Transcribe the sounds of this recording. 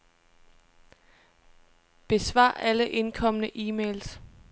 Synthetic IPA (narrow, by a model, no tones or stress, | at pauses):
b̥e̝sʋɑ̰̈ːæləʔe̝nkʰɒ̽mənəʔiːmeːls